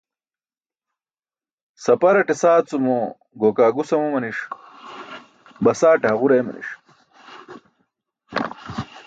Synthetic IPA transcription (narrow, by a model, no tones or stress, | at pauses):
sɐpɐɾɐʈesaːt͡sumo | ɡoːkaːɡusɐmomɐniʂ | bɐsaːʈaɐʁuɾejmɐ̰nḭʂ